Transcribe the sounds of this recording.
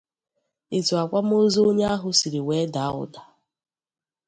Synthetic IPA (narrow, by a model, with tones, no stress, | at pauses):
i˨tu˨a˨kʷa˦m̩˦o˦zo˦o˦ɲe˦a˦ɦʊ˦si˨ɾi˨we˨˦da˨˦ʊ̰˨da˨